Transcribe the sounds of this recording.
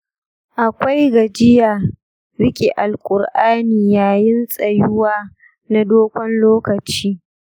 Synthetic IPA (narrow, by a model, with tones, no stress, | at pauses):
ʔa˨kʷa˦jɡɐ˨d͡ʒɪ˦jaː˨ | ɾɪ˦kʲʼi˨ʔa˨lkʷʼʊ˨rʔaː˦niː˨jaː˨jɪ˦nsʼɐ˨jʊ˦waː˦ | na˦doː˦kʷɔ˦nloː˦kɐ˨t͡ʃiː˦